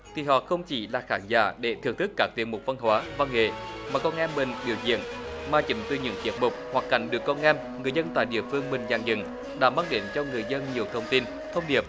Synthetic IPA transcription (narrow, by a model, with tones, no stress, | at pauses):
t̪ʰi˨˩ɦɔ̰˧˨xə˧wŋ͡mt͡ɕi˨˦laː˨˩xaː˨˦nza̰ː˧˦ɗe˧˩t̪ʰɨ˨˩əŋt̪ʰɨ˦˥kːaː˦˥k̚t̪i˨˦ənmo˨˩va˧nɦwaː˨˦vaː˧ŋḛ˧˨maː˨˩kɔ˧nʔɛ˧mːï˨˩ŋ̟ɓḭ˧˩əwzḭ˧˨ənmaː˨˩t͡ɕi˨˦mt̪ɨ˧ɲɨ̰˧˥ŋt͡ɕi˨˦˥ət̚mʊ˨˩k͡p̚hwa˨˩kːa̰˧˩jŋ̟ɗɨ˨˩əkːɔ˧nʔɛ˧m | ŋɨ˨˩əjzə˧nt̪a̰ː˧˨jɗḭ˧˨əfɨ˧əŋmï˨˩ŋ̟zaː˨˩ŋzɨ̰˧˦ŋ | ɗa̰ː˧˥maː˧ŋɗe˨˦nt͡ɕɔ˧ŋɨ˨˩əjzə˧nɲi˨˩əwt̪ʰə˧wŋ͡mt̪i˧n | t̪ʰə˧wŋ͡mɗi˧˩əp̚